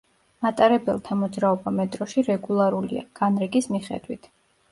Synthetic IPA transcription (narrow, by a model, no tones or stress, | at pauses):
mat̪ʼaɾɛbɛ̰lˠt̪ʰamɔd̪zɾaɔbamɛt̪ʼɾɔʃiɾɛɡulˠaɾulḭa̰ɡ̥anɾɛɡismiχɛ̰d̪wit̪ʰ